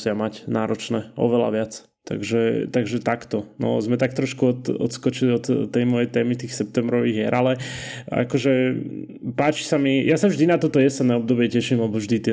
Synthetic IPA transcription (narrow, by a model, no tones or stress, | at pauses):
sɪamacnaːɾɔt͡ʃnɛːʔɔ̰ʋɛla̰ʋɪat͡s | t̪a̰ɡʒɛt̪aɡʒɛt̪akt̪ɔnɔ̰zmɛt̪ak̚t̪ɾɔʃkuɔt̪ɔ̰t̪skɔt͡ʃiliɔt̪ːɛjmɔjɛt̪ɛːmit̪iːxsɛp̚t̪ɛmbɾɔʋiːɣjɛɾʔalɛa̰kɔʒɛ | paːt͡ʃi̥samijʔasavʒd̪inat̪ɔt̪ɔjɛsɛd̪nɛɔb̚d̪ɔbɪɛcɛʃimlɛbɔvʒd̪it̪ɪɛ